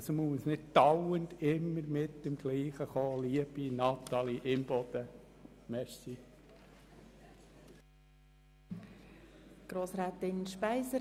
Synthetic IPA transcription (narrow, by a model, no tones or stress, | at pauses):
smusnɪd̚tɑwənd̪ɪmːəɾmɪtːɪmɡ̥liːχəχoːliəb̥inɑt̪ɑliʔɪmb̥ɔd̪̥ə | mɛʃti | ɡ̥ɾoːsɾaːt̪ɪnʃpæɪsə